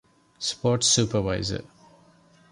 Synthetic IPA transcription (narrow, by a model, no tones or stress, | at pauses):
spɔtsupəvaɪzə̰